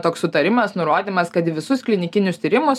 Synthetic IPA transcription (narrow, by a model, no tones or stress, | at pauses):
t̪oːkssʊt̪ɐɾʲɪmɐsnʊɾoːd̪ʲiːmɐskɐt̪ʋʲɪsʊsklʲɪnʲɪkʲɪnʲʊst̪ʲiːɾʲɪmʊs